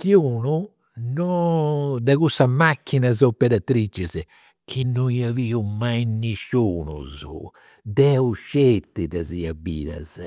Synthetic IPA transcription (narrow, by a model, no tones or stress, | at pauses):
kiuːnu | nɔ | d̪ɛɣusamakːinazopɛɾat̪ɾit͡ʃːɛz | kʰinːujiaviːumajnːiʃuːnṵzṵ | d̪ɛuʃet̪ːid̪ɛziabḭːða̰z̥